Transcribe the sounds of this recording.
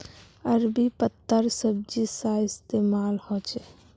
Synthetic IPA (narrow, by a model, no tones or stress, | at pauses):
əɾbipət̪ːəɾsəb̚d͡ʒisaɪst̪emalhɔt͡ʃɛ